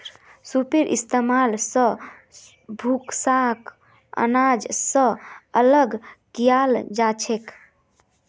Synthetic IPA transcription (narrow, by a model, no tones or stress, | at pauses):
supeɾʔḭst̪emalsə̃ | bʱuksak | ə̰nad͡ʒsə̃ələɡkijald͡ʒat͡ʃʰek